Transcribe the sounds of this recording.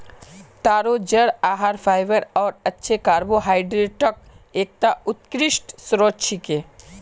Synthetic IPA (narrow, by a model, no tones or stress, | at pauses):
t̪aːɾod͡ʒəɽaːɦaːɾpʰaːɪʋəɾɔːɾɐtːʃʰekaːɾboɦaːɪɖɾeʈɔk̚eːk̚t̪aʊt̪̚kɾɪʃʈsɾoːt͡ʃʰike